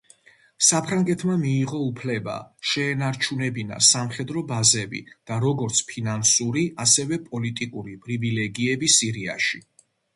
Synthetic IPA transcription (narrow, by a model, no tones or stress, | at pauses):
sapʰɾaŋɡɛt̪ʰmamiːʁɔupʰlɛba̰ʃɛːnaɾt͡ʃʰunɛbina̰samχɛd̪ɾɔbazɛbḭd̪̥aɾɔɡɔɾt̪sʰpʰinansuɾiasɛvɛpʼɔlit̪ʼikʼuɾipʼɾivilɛɡiɛbisiɾia̰ʃi